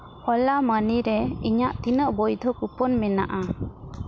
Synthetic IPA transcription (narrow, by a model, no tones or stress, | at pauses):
hɔlaməniɾɛiɲaʔt̪inəʔbɔjd̪ʱɔkupɔnmɛna̰ʔa